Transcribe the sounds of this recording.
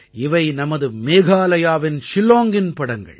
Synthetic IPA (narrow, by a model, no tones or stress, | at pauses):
ɪʋɐɪnɐmɐðɯmeːɣaːlɐjaːʋɪnʃɪloːŋɡɪnpɐɽɐŋɡɐ̰ɭ